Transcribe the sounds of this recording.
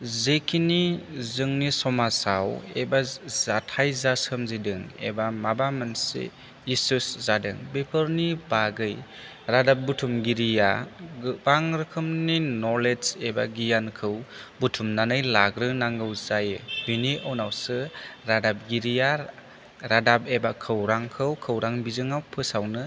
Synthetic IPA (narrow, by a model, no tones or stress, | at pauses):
zekʰinizɯŋnisɔmasawḛbazatʰajzasɯmzidɯŋḛbamabamansḛ | isɯszadɯŋbepʰɯɾnibaɡɯj | ɾadap̚butʰumɡiɾija̰ | baŋɾɯkʰɯmninɔɾled͡ʒeba̰ɡijankʰɯwbutʰumnanɯjlaɡɾɯnaŋɡɯwzajɯbiniawnawsɯɾadap̚ɡiɾija | ɾadabebakʰɯwɾaŋkʰɯwkʰɯwɾaŋbizɯŋawpʰɯsawnɯ